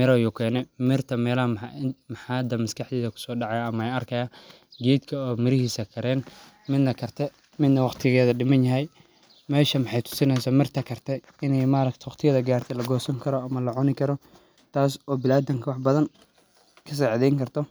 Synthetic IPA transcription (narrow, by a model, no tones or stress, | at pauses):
mɪɾɔjukʰɛːnɛmɪrt̪ʰɐmɛːlɐhɐmħmħɑːd̪ɐmɐskʰɑħd̪iːðɐkʰʊ̥sɔːɖɑʕɑjaɐmɐɛjɐrkʰɐjaː | ɡɛːd̪kʰɐɔːmɪɾɪhiːsɐkʰɐɾɛːn | mɪd̪nɐkʰɐrt̪ʰɛ | mɪd̪nɐwɑχt̪ʰɪɣɛːðɐɖɪmɐnjɐɦɛj | mɛːʃɐmɑħɑjt̪ʰʊ̥sɪnɛsaːmɪrt̪ʰɐkʰɐrt̪ʰɛ | ɪnɛjmaːɾɐkt̪ʰɛwɑχt̪ʰɪjɐðɐɡaːrt̪ʰɛlɐɡɔːsɐŋkʰɐɾɔɐmɐlɐʕʊnɪkʰɐɾɔ | t̪ʰaːsɔːbɪlaːd̪ɐŋkʰɐwɑħbɐðɐn | kʰɐs̬ɛːʕðɛjŋkʰɐrt̪ʰɔ